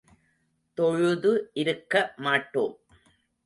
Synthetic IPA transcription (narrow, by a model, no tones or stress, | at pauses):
t̪ɔɻʊðɯʔɪɾɯkːɐmaːʈːoːm